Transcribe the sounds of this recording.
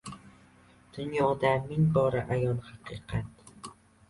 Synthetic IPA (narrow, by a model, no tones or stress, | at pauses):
d̪̥ʊnjɒd̪amɪŋbɒɾaʔajɒlˠhaqʰɨqʰɑt̪̚